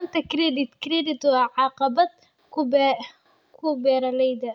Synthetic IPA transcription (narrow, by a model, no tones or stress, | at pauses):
nt̪ɐkɾid̪ɪt̪kɾid̪ɪt̪ʕɑːqɑbɐd̪ | kʰʊb | kʰʊbɛːɾɐlɛjd̪ɐ